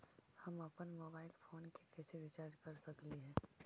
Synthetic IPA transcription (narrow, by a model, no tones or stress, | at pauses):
hɐmɐpənmoːbaːɪlfʰoːnkekɛːseʋɪt͡ʃaːɾɾkɐɾsɐkliɦɛ̃ː